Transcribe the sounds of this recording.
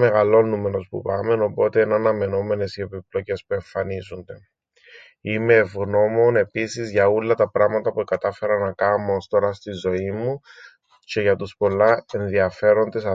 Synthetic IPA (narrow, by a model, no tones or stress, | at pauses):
meɣɐlːo̞nːume̞ɾo̞spṵpɐme̞no̞po̞t̪eenɐnɐme̞no̞me̞ne̞sie̞piplo̞ce̞spue̞ɱfɐnizund̪e̞ | ime̞ːvɣno̞mo̞ne̞pisizʝɐulːɐt̪ɐpɾɐɣmɐt̪ɐpukɐt̪ɐfe̞ɾɐnɐkɐmːost̪oɾɐst̪izo̞imːu | ce̞ʝɐt̪uspo̞lːɐe̞nðiɐfe̞ɾo̞nd̪e̞sɐ